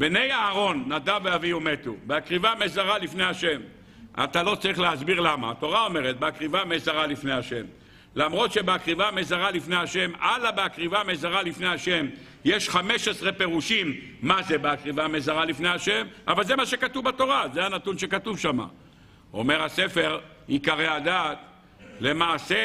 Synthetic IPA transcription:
bene̞jaːʁo̞nːad̪aveaviome̞tubeakʁivamezaʁalifne̞jaʃe̞m | a̰t̪alo̞t͡saʁiχleazbiʁlama̰ːt̪o̞ʁao̞me̞ʁet̚beakʁivamezaʁalifne̞jaʃe̞m | lamʁo̞t̪ʃe̞beakʁivamezaʁalifnejaʃe̞malabeakʁivamezaʁalifnejaʃe̞m | jeʃχame̞ʃesʁe̞pe̞ʁuʃimː | azebeakʁivamezaʁalifne̞jaʃe̞mʔa̰valze̞maʃe̞katuvbato̞ʁazeanat̪unʃe̞katuvʃama̰ | ome̞ʁhase̞fe̞ʁ | ikaʁeadat̪ | le̞maːse

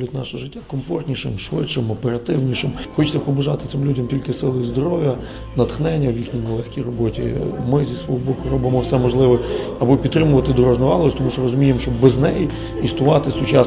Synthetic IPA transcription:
lʲʊtʲnɑʃɛʒɪtʲːakɔmfɔrt̪ʲnʲiʃɪmʃʋɪ̰t͡ʃːɪmɔpeɾɐt̪ɪwnʲiʃɪmxɔt͡ʃt͡sʲɐpɔbʊʒɑt̪ɪ̥t̪ɪmlʲudʲɐmtʲilʲkɪsɪlˠɪizd̪ɔɾɔʋʲjɐ | nɐt̪xnɛnʲːɐwjixnʲijnɛlˠɛxʲkʲijrɔbɔtʲḭmɪzʲisʋɔɦɔbɔkʊrɔbɪmɔwsɛmɔʒlˠɪʋɛɐbɔpʲid̪̚t̪ɾɪmʊʋɐt̪ɪd̪ɔɾɔʒnʊʋɑlˠsʲt̪ɔmuʃt͡ʃɔrɔzʊmʲijemʃt͡ʃɔbːɛznɛji | ist̪ʊʋɑt̪ɪsʊt͡ʃɑ

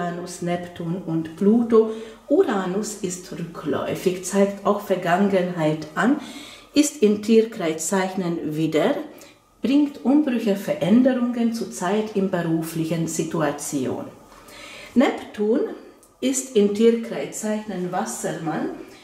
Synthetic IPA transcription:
aːnʊsnɛptʰuːnʊntb̥luːto | ʔuʁaːnʊsɪstʁʏklɔ̰ʏfɪçt͡saɪktʰaʊxfɛɐɡaŋənɦaɪtʔanʔɪstɪntʰiːʁkʁ̥aɪt͡saɪçnənviːdɐ | b̥ʁɪŋktʔʊmbʁʏçəfɛɐʔɛndəʁʊŋənt͡suːɐt͡saɪtʰɪnbəʁuːflɪçənzituat͡sjo̰ːn | nɛptʰuːn | ʔɪstɪntʰiːʁkʁ̥aɪt͡saɪçnənvasəman

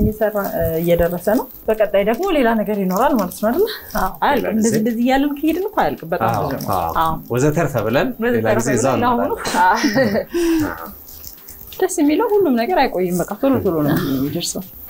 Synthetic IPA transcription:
ɛmːisərːaɨjːɛd̪ərːəsənəw | b̥əkʼət̪ʼːajd̪əɡmo̞le̞lanəɡəɾjɪno̞ɾalmalət̪noad̪əlːəawajəlkʼɨmɨnd̪əzːind̪əzːihjalːɨnkʰɨhɪd̪ɨnɨkʰʷajəlkʼɨmbət̪ʼa̰mzə̰n̰ʔawwɔzət̪ʰəɾt̪əβɨlənɨəzelaizezːaahona | d̪̥əsːjɛmːiləwhulːumnəɡəɾajkʼo̞jːɨmbəkʼːat̪ʰolot̪ʰolonəɛmːid̪əɾsəw

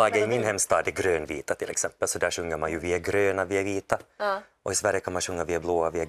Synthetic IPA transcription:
ɑːɡəɪmɪnhɛmːst̪ɑːd̪ɛɡɾøːnvḭːt̪at̪ʰɪlʔɛ̰ksɛmpəlsɔd̪æːʂɵŋːəɾmanjɵviːaɡɾøːnaviːaviːt̪a | ʔɔɪsvæɾjəkʰanmanɕɵŋːavɪːɛbloːavɪɛ

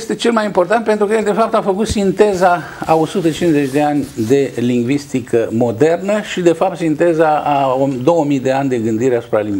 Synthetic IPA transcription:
st̪e̞t͡ʃe̞lmajimpo̞rt̪ant̪̚pent̪ɾukəjeld̪e̞fap̚t̪afəkut̪sint̪e̞za | ao̞sut̪ət͡ʃinzet͡ʃʲd̪e̞anʲd̪e̞liŋɡvist̪ikəmo̞d̪e̞rnəʃid̪e̞fap̚t̪sint̪e̞zaaod̪o̞wəmijd̪e̞anʲd̪e̞ɡɨnd̪iɾeasu̥pɾaliŋ

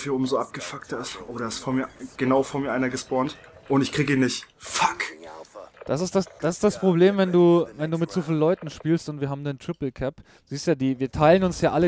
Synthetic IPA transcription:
fiːɐʊːbm̩zoʔap̚ɡ̥əfaktɐɪstʔoːdɐɪstfoːmiːɐɡ̥ənaʊfoɐnmiːɐʔaɪnɐɡəspɔɐnt | ʔʊntɪçkʁ̥iːɡəiːnːɪçtfak | d̥as̬ɪstd̥asd̥asɪ̥std̥aspʁ̥obleːmvɛnduːvɛnduːmɪtz̥ofiːllɔʏtn̩ʃpiːlstʊntv̥iːɐɦaːbm̩ndentʁ̥ɪpl̩kʰɛpː | ziːstjaːdiːviːɐtʰaɪlənʊnsjaːʔalə

